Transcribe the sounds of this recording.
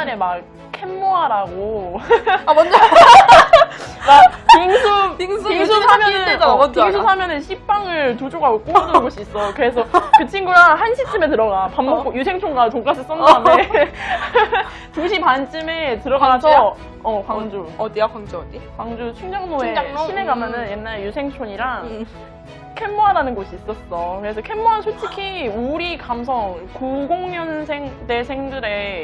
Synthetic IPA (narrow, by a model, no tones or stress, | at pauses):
anema | kʰemːoɦaɾaɡo | mapiŋsʰupiŋpiŋsʰuamjʌnɯpŋsʰusʰamjʌnɯnɕʰip͈aŋɯɭtod͡ʑoɡaɡok͈omʌdɯnɯnɡʌɕʰiːs͈ʌkɯɾe̞s̬ʰʌkɯt͡ɕʰiŋɡuɾanhanɕʰit͡ɕ͈ɯme̞tɯɾʌɡapamːok͈ojusʰe̞ŋt͡ɕʰoŋɡat͡ɕoŋk͈asʰɯs͈ʌndame | tuɕʰipant͡ɕ͈ʰime̞tɯɾʌɡasʰʌ | ʌkwaŋd͡ʑudikaŋd͡ʑudikwaŋd͡ʑut͡ɕʰuŋd͡ʑʌŋnoeakɕʰine̞ɡamjʌnɯnje̞nːaɾejusʰe̞ŋt͡ɕʰoɲiɾaŋ | kʰemːoɦaɾanɯnɡoɕʰiːs͈ʌs͈ʌkɯɾesʰʌkʰemːoɦansʰot͡ɕʰikʰiuɾikams̬ʰʌŋkuɡoŋɲjʌnsʰeŋde̞sʰe̞ŋdɯɾe̞